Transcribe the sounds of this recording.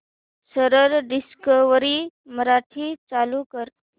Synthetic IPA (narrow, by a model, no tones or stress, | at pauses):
səɾəɾɖiskəʋɾiməɾaʈʰiːt͡salukəɾ